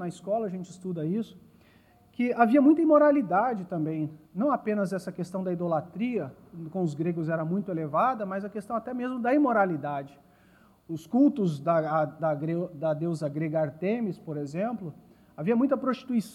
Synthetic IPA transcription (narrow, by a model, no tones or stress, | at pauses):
nɐiskɔlɐɐʒẽnt͡ʃɪst̪ud̪ɐisʊ̥ | kɪʔaviɐmũj̃t̪ɐimoɾalid̪ad͡ʒɪt̪ɐ̃mbẽj̃nɐ̃w̃apẽnɐzɛsɐkest̪ɐ̃w̃d̪ɐid̪olat̪ɾiɐkõʊzɡɾeɡʊzɛɾɐmũj̃t̪ʊelevad̪ɐmɐzɐkest̪ɐ̃w̃at̪ɛmezmʊd̪ɐimoɾalid̪ad͡ʒɪ | ʊskuwt̪ʊzd̪ɐd̪ɐɡɾed̪ɐd̪ewzɐɡɾeɡɐaɾt̪ẽmɪspoɾezẽmplʊ | aviɐmũj̃t̪ɐpɾost͡ʃi̥t̪uis